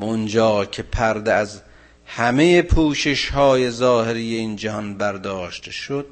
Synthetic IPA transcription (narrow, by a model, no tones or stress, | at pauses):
ond͡ʒɒːcʰe̞pʰæɾd̪eæz | hæme̞jepʰuːʃeʃhɒːje̞zɒːheɾije̞iːnd͡ʒæhɒnbæɾd̪ɒːʃt̪ʰeʃod̪̥̚